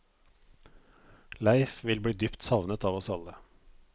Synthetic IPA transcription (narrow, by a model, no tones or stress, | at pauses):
læɪfʋɪlbɽiːd̪ʏpt̪sɑʋnət̪ɑːʋɔsɑlə